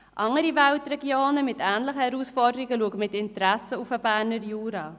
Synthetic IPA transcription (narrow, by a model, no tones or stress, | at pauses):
ʔɑŋəɾivæltreɡioːnəmɪtæːnləχəhɛɾusfɔrdəɾiɡəluəkəmɪtɪntræsəufəbæːnərjuːɾɑː